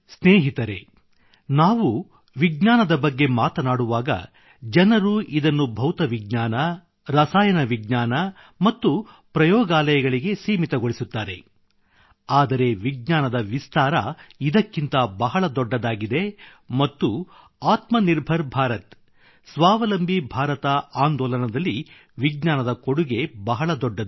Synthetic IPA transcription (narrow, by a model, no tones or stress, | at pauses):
sneːɦit̪ɐɾe̞̰ | naːʋu | ʋiɡɲaːnɐd̪ɐbɐɡːe̞maːt̪ɐnaːɽuʋaːɡɐ̰ | d͡ʒɐnɐɾuʔid̪ɐnːubʱɐwt̪ɐʋiɡ̚ɲaːnɐ | ɾɐsaːjɐnɐʋiɡ̚ɲaːnɐ | mɐt̪ːu | pɾɐjɔːɡaːlɐjɐɡɐɭiɡe̞seːmit̪ɐɡoɭisut̪ːaːɾe̞ | aːd̪ɐɾe̞ʋiɡ̚ɲaːnɐd̪ɐʋist̪aːɾɐid̪ɐkːint̪ɐbɐɦɐɭɐd̪ɔɖːɐd̪aːɡid̪e̞ | mɐt̪ːu | aːt̪mɐniɾbʱɐɾbʱaːɾɐt̪ | sʋaːʋɐlɐmbʱibʱaːɾɐt̪ɐaːnd̪ɔːlɐnɐd̪ɐlːi | ʋiɡɲaːnɐd̪ɐkoɽuɡe̞bɐɦɐɭɐd̪ɔɖːɐd̪